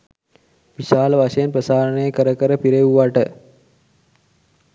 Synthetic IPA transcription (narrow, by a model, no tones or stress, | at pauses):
ʋiʃaːləʋaʂəjənprəsaːɾənəjəkəɾəkəɾəpiɾeʋuʋaʈə